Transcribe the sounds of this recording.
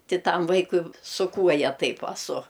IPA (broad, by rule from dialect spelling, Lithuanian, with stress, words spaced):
ˈtʲɪ ˈtɐm ˈʋɐɪkʊɪ sʊ ˈkuɔjɛ ˈtɐɪp ɐˈsʊ